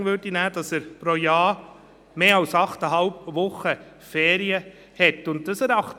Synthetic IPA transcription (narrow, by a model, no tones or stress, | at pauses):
vʏɾdinæːd̥ɑsɛɾpɾoːjɑː | meːɑlsɑχtəɦɑlpvʊχə | fɛːɾiə | hɛtʊnt̚d̥ɑsɛɾɑχt